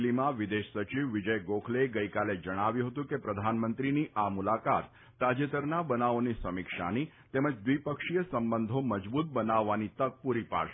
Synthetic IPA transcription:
limãʋid̪eʃsət͡ʃiʋːɪd͡ʒəjɡokʰleɡəikaled͡ʒəɽ̃aʋjũɦət̪ũkepɾəd̪ʱanmənt̪ɾiniʔamulakat̪ː | ad͡ʒət̪əɾnabənaonisəmikʃa̰ni | t̪eməd͡ʒd̪ʋipəkʃijəsəmbənd̪ʱoməd͡ʒbut̪̚bənaʋːanit̪ək̚puɾipa̰ʃ

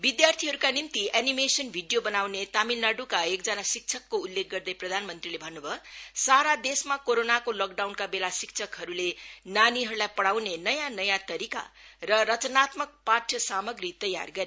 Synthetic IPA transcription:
bid̪jart̪ʰiɦʌɾukanimt̪ianimesʌnbʱiɖijobʌnawnet̪amilnaɖukaekd͡zʌnasik̚t͡sʰʌkːoulːek̚ɡʌrd̪ʌjprʌd̪ʱanmʌnt̪rilebʱʌnːubʱʌsaɾad̪esmakoɾonakolok̚ɖawnkabelasik̚t͡sʰʌkɦʌɾulenaniɦʌɾulajpʌɽawnenʌjãnʌjãt̪ʌɾika̰rʌɾʌt͡sʌnat̪mʌk̚paʈʰjʌsamʌɡrit̪ʌja̰rɡʌɾe

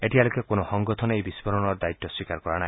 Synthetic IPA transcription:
eʈialukekonɔhɔŋɡɔt̪ʰɔnejbispɔɾɔɽɔɾd̪ait̪ːɔswikaɾkɔɾañaj

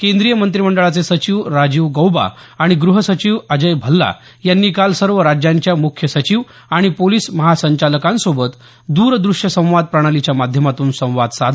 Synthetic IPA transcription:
kẽnd̪ɾijəmənt̪ɾiməɳɖəɭat͡sesət͡ɕiːʋɾad͡ʑiːʋɡəwba̰aɽ̃iɡɾuɦəsət͡ɕiːʋəd͡ʑəjbʱəlːa̰ | janːiːkalsəɾʋəɾad͡ʑjaɲt͡ɕjamukʰjəsət͡ɕiːʋ | aɽ̃ipoliːsməɦasəɲt͡ɕaləkãnsobət̪ | d̪uːɾd̪ɾuʂjəsə̃w̃ʋad̪̚pɾəɽ̃alit͡ɕjamad̪ʱjəmat̪uːnsə̃w̃ʋad̪sad̪

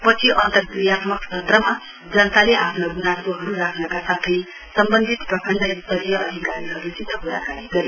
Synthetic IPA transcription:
pʌt͡sʰiʔʌnt̪ʌrkuijat̪mʌk̚t͡sʰʌt̪rʌma | d͡zʌnʌt̪aleʔapʰnʌɡunasoɦʌɾuɾakʰnʌkasat̪ʰʌj | sʌmbʌnd̪ʱit̪prʌkʰʌnd̪ʱʌist̪ʌɾijʌʔʌd̪ʱikaɾiɦʌɾut͡sit̪ʰːʌkuɾa̰kaniɡʌɾe

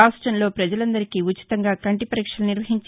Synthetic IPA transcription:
aːsʈɾɐnlo̞ːpɾɐd͡ʒɐlɐnd̪ɐɾikiut͡ʃːi̥t̪ɐŋɡaːkɐɳʈipɐɾiːkʂɐluniɾʋɐɦiɲt͡ʃ

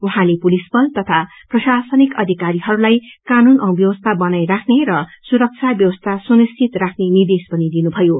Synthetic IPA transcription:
uɦãlepulisbʌlt̪ʌt̪ʰa | prʌsasʌnikʌd̪ʱikaɾiɦʌɾulajkanunʌ̃bjʌwʌst̪ʰabʌnajrakʰneɾʌsuɾʌk̚t͡sʰabjʌwʌst̪ʰasunist͡ʃʰit̪rakʰnenird̪espʌnid̪inubʱʌjo

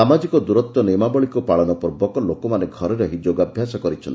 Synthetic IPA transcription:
amad͡ʒikɔd̪uɾɔt̪ːɔnemabɔɭikupaɭɔnɔpɔɾbɔkɔlokɔmaneɡʱɔɾɔɾeɦid͡ʒoɡabʱjasɔkɔɾit͡ʃʰɔnt̪i

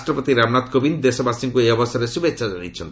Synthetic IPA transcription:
sʈɾɔpɔt̪iɾamnat̪kobind̪esɔbasiŋkueɔbɔsɔɾesubetːsʰad͡ʒanḭt͡ʃʰɔnt̪

